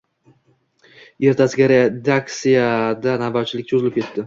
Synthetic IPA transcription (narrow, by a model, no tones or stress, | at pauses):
e̞ɾt̪ʰasɪɡʲaɾed̪ak̚t̪sijad̪anabawt͡ʃʰɪlɪk̚ʲt͡ʃʰozɪlɪpkʲʰe̞t̪ːɪ